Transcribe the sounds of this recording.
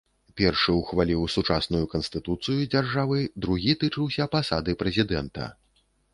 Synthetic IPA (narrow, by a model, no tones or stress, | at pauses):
pʲɛrʂɨwxvalʲiwsut͡ʂasnujukɐnst̪ɨt̪ut̪sɨjud͡zʲarʐavɨd̪ɾuɣʲit̪ɨt͡ʂɨwsʲɐpasad̪ɨpɾɛzʲid̪ɛnt̪ɐ̰